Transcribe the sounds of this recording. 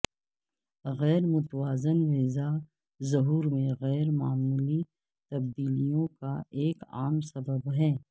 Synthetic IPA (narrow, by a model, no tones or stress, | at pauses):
ɣɛːɾmʊt̪waːzənʋeːza | zɐɦuːɾmẽɣɛːɾmaːmuːli | t̪ɐb̚d̪iːlijõkaeːka̰ːmsɐbəbɦɛː